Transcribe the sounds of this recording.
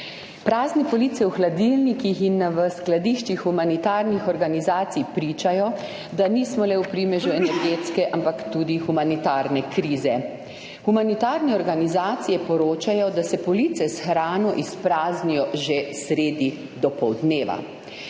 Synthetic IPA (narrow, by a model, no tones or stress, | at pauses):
pɾaːznɛpɔlit̪sɛwxlad̪ilnikixinʋəsklad̪iʃt͡ʃixːumanit̪aːɾnixɔɾɡanizaːt̪sijpɾiːt͡ʃajɔ | d̪aniːsmɔlɛupɾiːmɛʒuɛnɛɾɡeːt̪skɛʔampakt̪uːd̪ixumanit̪aːɾnɛkɾiːzɛ | xumanit̪aːɾnɛɔɾɡanizaːt̪sijɛpɔɾoːt͡ʃajɔd̪asɛpɔliːt̪sɛsxɾaːnɔʔispɾaːznijɔʒesɾeːd̪i | d̪ɔpɔwd̪neːʋa̰